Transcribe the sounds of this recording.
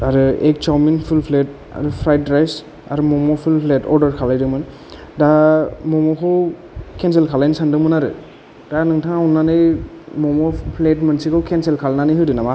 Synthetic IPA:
aɾɯek̚t͡ʃawminpʰulpʰlet̚ | a̰ɾɯpʰɾajtɾajs | a̰ɾɯmɔmɔpʰulpʰletɔ̰ɾdɔɾkʰalajdɯkmɯn | damɔmɔkʰɯw | kʰɛnselkʰalajnsandɯmɯnaɾɯ̰ | d̥anɯŋtʰaŋɔnːanɯj | mɔmɔpʰletmɯnsikʰɯwkʰɛnselkʰalnanɯjɦɯdɯnama

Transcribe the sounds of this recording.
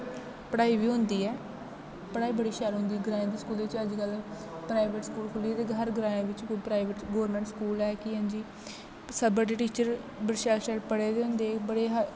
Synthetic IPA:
pɽaːiːʋiːɦʊ̃nd̪iːɛː | pəɽaːiːbəɽiːʃaːɾɦʊ̃nd̪iːɡɾãːẽd̪eːskuːleʋɪt͡ʃəd͡ʒkəl | pɾaːiʋeːʈskuːlkʰʊliːd̪eːɡʱəɾɡɾãːẽʋɪt͡ʃkpɾaːiʋəʈɡoːɾmɛ̃ːɳʈskuːlɛːkɪɦə̃ɲd͡ʒiː | səbəɾɖeːʈiːt͡ʃəɾ | bəɾʃaːlʃʈɛːʈpəɽeːd̪eːɦʊ̃nd̪eːbəɽeːɦə

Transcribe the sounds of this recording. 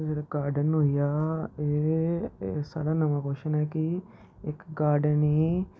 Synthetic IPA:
d͡ʒeːɽaɡaːɾɖənɦoːijaːeː | sa̰ːɽaːnəmãːkoːʃənɛːkɪ | ɪkɡaːɾɖəniː

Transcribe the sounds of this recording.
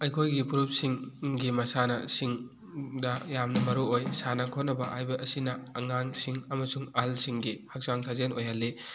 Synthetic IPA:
ɐjkʰojɡipuɾup̚siŋɡimɐsanɐsiŋ | dɐjamnɐmɐɾuojsanɐkʰonːɐbɐʔajbɐʔɐsinɐːŋansiŋɐmɐsuŋɐlsiŋɡihak̚saŋsʰazenojɦalːi

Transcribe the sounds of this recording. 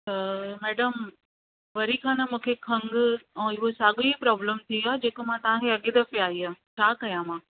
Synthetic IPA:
t̪ɐmɛːɖəm | ʋɐɾikʰãːnamũːkʰekʰɐ̃ŋɡ̃ɪɦosaːɡipɾɔːbləmt̪ʰiad͡ʒeːkomãt̪ɐʋ̤ãkʰeɐɠid̪ɐfeaːiãt͡ʃʰaːkɐjãmãː

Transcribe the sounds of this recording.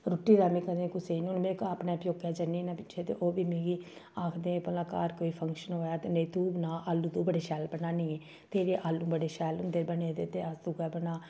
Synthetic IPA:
ɾʊʈːiːɾaːmĩːkəɾẽːkʊseːinũnmẽːkaːpnaːpjoːɡjaːd͡ʒəniːnaːpɪt͡ʃːʃʰeːt̪ḛːʔoːbiːmeːɡiːaːkʰd̪eːpəlãːkaːɾkoːiːpʰəŋkʃənɦoːjaːt̪eːnəiːt̪uːnaːʔaːlːũːt̪ũːbəɽeːʃɛːlbənaːnĩːeː | t̪eːɾeːʔaːlːũːbəɽeːʃɛːlʊnd̪eːbəneːd̪eːt̪eːəsd̪uɡɛːbənaː

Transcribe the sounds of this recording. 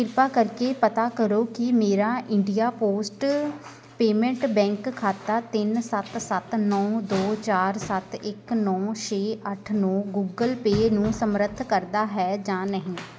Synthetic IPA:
ɪɾpaːkəɾkeːpət̪aːkəɾoːkɪmeːɾaːʔɪɳɖijaːpoːsʈ | peːmɛ̃ɳʈbɛ̃ːŋkʰːaːt̪aːt̪ɪnsət̪sət̪nɔ̃ːd̪oːt͡ʃaːɾsət̪ɪknɔ̃ːt͡ʃʰeːʔəʈʰnɔːɡuːɡəlpeːnũːsəmɾət̪ʰːkəɾd̪aːɦɛːd͡ʒãːnəɦĩː

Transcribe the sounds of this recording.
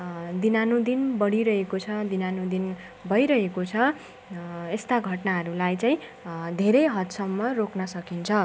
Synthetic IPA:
d̪inanud̪inbʌɽiɾʌɦekot͡sʰʌd̪inanũd̪in | bʱʌjɾʌɦekot͡sʰʌ | est̪aɡʱʌʈnaɦʌɾulajt͡saĩd̪ʱeɾʌjɦʌt̪sʌmːʌroknʌsʌkint͡sʰʌ

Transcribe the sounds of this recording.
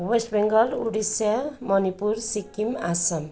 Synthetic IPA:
wesʈbeŋɡʌluɽisjamʌnipuɾsikimasʌm

